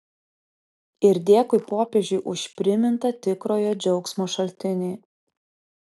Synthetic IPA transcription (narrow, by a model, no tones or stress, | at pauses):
ɪɾʲd̪ʲeːkʊɪpoːpʲeːʒʲʊɪʔʊʃʲpʲɾʲɪmʲɪnt̪ɐt̪ʲɪkɾoːjoːd͡ʒʲɛʊksmoːʃɐlʲt̪ʲɪnʲeː